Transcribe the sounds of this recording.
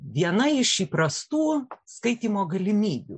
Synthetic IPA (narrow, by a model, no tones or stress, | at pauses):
ʋʲiɛnɐɪʃiːpɾɐst̪uːskɐɪt̪ʲiːmoːɡɐlʲɪmʲiːbʲṵ